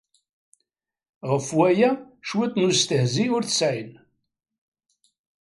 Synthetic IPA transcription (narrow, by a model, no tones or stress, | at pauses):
ʁəfwæjæʃwit̪ːnʊst̪əhziʊɾθə̥sʕin